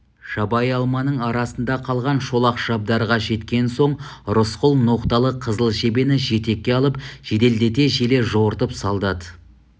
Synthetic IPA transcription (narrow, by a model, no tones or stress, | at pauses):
ʒɑbɑjɑlˠmɑnəɴɑɾɑsənd̪ɑqʰɑlˠʁɑnʃo̞lˠɑqʒ̥ɑb̚d̪ɑɾʁɑʒe̞t̪kʲe̞nso̞ɴɾʊsqʊlˠno̞qt̪ɑlˠəqʰəzəlˠʃe̞be̞nɪʒe̞t̪e̞kʲːeɑlˠəpʒ̥ed̪e̞ld̪e̞t̪e̞ʒe̞le̞ʒowəɾt̪əpsɑlˠd̪ɑd̪ə